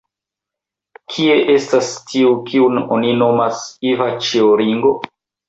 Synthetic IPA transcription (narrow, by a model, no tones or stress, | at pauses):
kʰie̞ʔe̞stastʰiukiuno̰nino̞masivat͡ʃeoɾiŋɡo̞